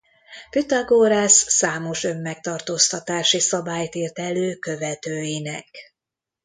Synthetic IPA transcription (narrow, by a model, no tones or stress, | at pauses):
pyt̪aɡoːɾaːsːaːmo̞ʃø̞mːɛk̚t̪ɒrt̪oːst̪ɒt̪aːʃisɒbaːjt̪iːrt̪ɛløːkø̞vɛt̪øːjinɛk